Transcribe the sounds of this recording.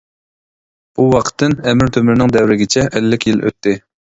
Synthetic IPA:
uwɑqʰə̥t̪ʰːɨnɛmɪɾt̪ʰømɪɾɪnɪŋd̪ɛwɾɪɡʲɪt͡ʃʰɛʔːlːɪkʲjilø̰t̪ʰːɪ

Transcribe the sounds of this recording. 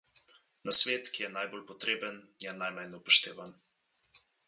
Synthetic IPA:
nasʋeːt̪kijɛnajboːlpɔt̪ɾeːbənjɛnajmajnɔpɔʃt̪eːʋan

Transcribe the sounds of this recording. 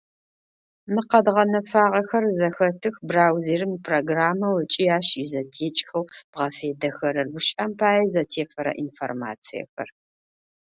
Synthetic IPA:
mɨqɐdʁɐnɐfaːʁɐxɐrzɐxɐtʰɨxbraːwzeːrɨmpʰroːɡraːmɐwɐt͡ʃʼijaːɕizɐtʰeːt͡ʃʼxɐwb̥ʁɐfeːdɐxɐɾɐrwʊʃʼɐmpʰaːjɐzɐtʰeːfɐɾɐ̰ʔinfo̰rma̰ːt͡sʰijɛ̰xɐ̰r

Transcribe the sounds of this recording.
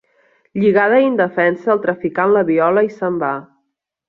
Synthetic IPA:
ʎiɣað̞əind̪əfɛnsəːlˠt̪ɾəfikanləβiɔləisəmba

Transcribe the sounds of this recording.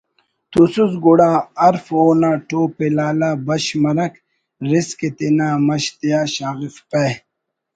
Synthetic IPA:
t̪usuzɡuɽaːɐɾfoːnaʈoːpelaːlabɐɕmɐɾɐk | ɾisket̪inamɐɕt̪ijaːɕaːɣifpe

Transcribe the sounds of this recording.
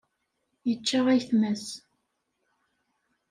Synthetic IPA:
jət͡ʃːaʁæjθmæs

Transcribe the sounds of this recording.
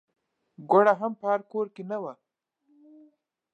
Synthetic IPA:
ɡaɽaɦampəhaɾkoɾkenawa

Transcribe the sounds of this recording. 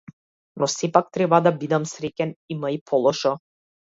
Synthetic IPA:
nɔsɛpak̚t̪ɾɛbad̪abid̪amsɾɛcʲɛnimaipʰɔlˠɔʃɔ

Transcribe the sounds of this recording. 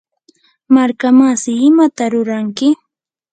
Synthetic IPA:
maɾkamasɪɪmat̪aɾʊɾaŋkɪ

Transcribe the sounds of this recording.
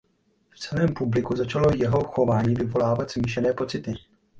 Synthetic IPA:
ft͡sɛlɛːmpublɪkuzat͡ʃalo̞jɛɦo̞xo̞vaːɲiːvɪvo̞laːvat̪z̥miːʃ̬ɛnɛːpo̞t͡sɪt̪ɪ

